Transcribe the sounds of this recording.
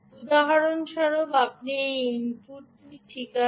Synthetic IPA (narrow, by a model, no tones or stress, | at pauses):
ud̪aɦaɾonʃɔɾobapniimpuɾt̪itʰika